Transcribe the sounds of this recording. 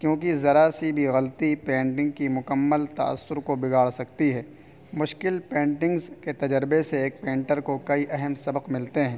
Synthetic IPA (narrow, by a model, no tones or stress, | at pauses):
kjõːkizɐɾasibʱiɣɐlt̪ipẽːɳʈɪ̃ŋɡ̚kimʊkəmːəlt̪ɐ̰ə̰sːʊɾkobɪɡʱaːɭsɐkt̪iɦɛː | mʊʃkɪlpẽːɳʈɪ̃ŋɡzket̪ɐd͡ʒəɾbeseeːk̚pẽːɳʈəɾkokɐiʔɛɦəmsɐbəqmɪlt̪eɦɛ̃ː